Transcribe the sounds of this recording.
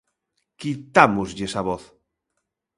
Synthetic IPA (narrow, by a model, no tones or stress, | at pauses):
kit̪amuzʎesaβoθ